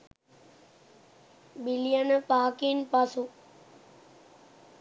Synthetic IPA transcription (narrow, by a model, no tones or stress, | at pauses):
bilijanəpaːkinpasu